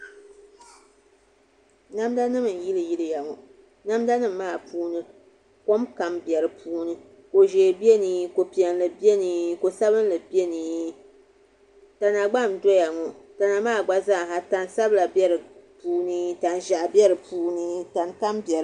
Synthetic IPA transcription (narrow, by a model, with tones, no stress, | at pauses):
na˦mda˦nɨ˦mɨ˨n̩˨ji˦lɨ˨ji˦lɨ˨ja˨ŋɔ˨ | na˦mda˦nɨ˦mː˦aː˦˨pʰuː˦nɨ˦ | ko˦mka˨mbɛ˨ɾɨ˨pʰuː˦nɨ˦ | ko˨ʒeː˨bi˦e˦nɨ˦ko˨pi˨ɛ˨nlɨ˨be˦nɨ˨ko˨sa˦βɨ˦n˦lɨ˨bi˦e˦nɨ˨ | ta˨na˨ɡ͡ba˦˨m˨dɔ˦ja˨ŋɔ˨ta˨na˨maː˦˨ɡ͡ba˦za˦˨ɦa˨ta˨n˦sa˦bla˨bjɛ˦ɾɨ˨puː˦nɨ˦ta˨nʒa˨ʔbɛ˦ɾɨ˨puː˦nɨ˦ta˨nka˦mbɛ˨ɾɨ˦